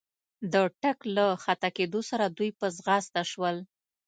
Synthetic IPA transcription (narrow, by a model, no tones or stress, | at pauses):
d̪əʈaklaxat̪aked̪osaɾad̪ujpəzɣast̪aʃwəl